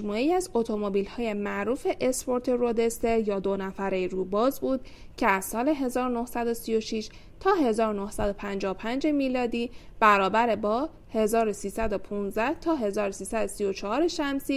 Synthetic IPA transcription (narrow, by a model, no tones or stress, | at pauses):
muːeiæzot̪ʰo̞mobiːlhɒːje̞mæʔɾuːfe̞ʔespo̞ɾt̪ʰe̞ɾod̪e̞st̪e̞ɾjɒːd̪o̞næfæɾeɾuːbɒːzbuːd̪̥̚ | cʰe̞æz̥sɒːle̞ɦe̞zɒːɾono̞hsæd̪osijo̞ʃiʃ | t̪ʰɒːhe̞zɒːɾono̞hsæd̪o̞pʰænd͡ʒɒːopʰænd͡ʒe̞miːlɒːd̪iːb̥æɾɒːbæɾebɒː | he̞zɒːɾo̞siːsæd̪o̞pʰunzæht̪ʰɒːɦe̞zɒːɾosiːsæd̪osijo̞t͡ʃʰɒhɒːɾeʃæmsiː